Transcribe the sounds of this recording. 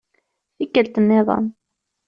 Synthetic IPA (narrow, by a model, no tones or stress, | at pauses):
θikːəlt̪əmːɪðˤɑ̰n